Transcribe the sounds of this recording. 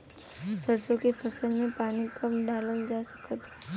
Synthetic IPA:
səɾsokepʰəsəlmẽpaːnikəmɖaːləld͡ʒasə̥kət̪ɛ

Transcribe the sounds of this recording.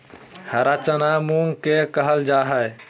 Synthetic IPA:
həɾat͡ʃənamuŋɡkekəɦəld͡ʒaɦəj

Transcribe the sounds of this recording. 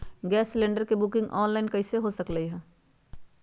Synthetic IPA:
ɡɛːsːlẽːɳɖəɾkebukɪ̃ŋɡʔɔːnlaːɪnkɐɪseɦosɐkləiɦɛ̃ː

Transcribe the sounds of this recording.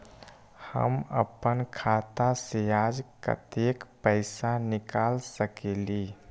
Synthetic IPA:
hə̰mə̰pənkʰat̪asead͡ʒkə̰t̪ekpəɪsanɪkalsəkeli

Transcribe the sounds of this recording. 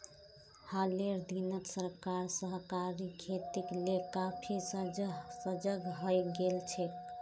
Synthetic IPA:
haleɾd̪inək̪səɾkaɾsəɦkaɾikʰet̪iklekapʰissəd͡ʒəɡɦəjɡelt͡ʃʰek

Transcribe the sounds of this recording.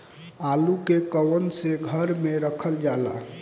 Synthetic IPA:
alukekəwənseɡʱəɾmeɾəkʰəld͡ʒala̰

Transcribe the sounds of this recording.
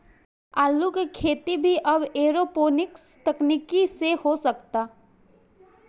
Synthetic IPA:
aːlukikʰeːt̪ibʱiʔɐbeːɾopoːnɪks | t̪ɐknikisehosɐkt̪aː

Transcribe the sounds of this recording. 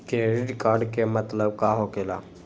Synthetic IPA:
keɾɪɖkaːɾɖkemɐt̪ləb̚kaːɦoːkeːla̰ː

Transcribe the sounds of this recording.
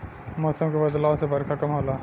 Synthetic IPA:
moːsəmkebɐd̪laːõsebɐɾkʰakɐmɦoːlaː

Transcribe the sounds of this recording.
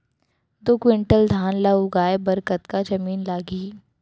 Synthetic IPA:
d̪oːkwɪɳʈəld̪ʱaːnlauɡaːebɐɾkət̪kad͡ʒɐmiːnlaːɡiː

